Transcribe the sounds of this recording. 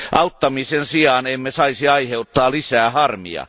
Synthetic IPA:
ʔɑut̪ːɑmisensiɑːnemːesɑisiɑiheut̪ːɑːlisæːhɑrmḭɑ̰

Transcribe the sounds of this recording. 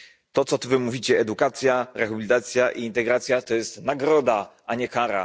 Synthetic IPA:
t̪ɔt̪sɔt̪uvɘmuvʲit͡ɕɛɛd̪ukat̪sʲjaɾɛxabʲilʲit̪at̪sʲjaʔiːnt̪ɛɡɾat̪sʲjat̪ɔjɛst̪naɡɾɔd̪a | aɲɛkaɾa̰

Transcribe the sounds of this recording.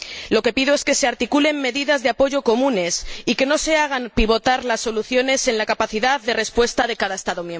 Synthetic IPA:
lo̞ke̞piðo̞e̞ske̞se̞aɾt̪ikule̞mːe̞ðiðazðeapo̞ʝo̞ko̞mũne̞sike̞no̞se̞aɣ̞ampiβ̞o̞t̪aɾlasːo̞luθjo̞ne̞se̞nlakapaθiðaððe̞re̞spwe̞st̪aðe̞kaðae̞st̪aðo̞mjem

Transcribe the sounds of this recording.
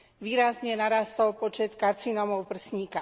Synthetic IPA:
ʋiːɾazɲɛnaɾast̪ɔlpɔt͡ʃɛt̪kaɾt͡sinɔmɔʊpr̩sɲiːka

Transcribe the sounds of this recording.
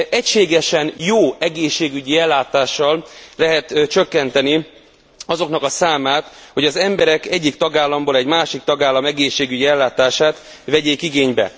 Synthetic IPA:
ɛcʃeːɡɛʃɛnjoːɛɡeːʃːeːɡyɟiɛlːaːt̪aːʃːɒllɛɦɛt̪t͡ʃøkːɛnt̪ɛni | ɒzo̞knɒkɒsaːmaːt̪ho̞ɟɒzɛmbɛɾɛkɛɟːikt̪ɒɡaːlːɒmboːlɛɟmaːʃik̚t̪ɒɡaːlːɒmɛɡeːʃːeːɡyɟiɛlːaːt̪aːʃaːt̪ | ʋɛɟeːkiɡeːɲbɛ̰

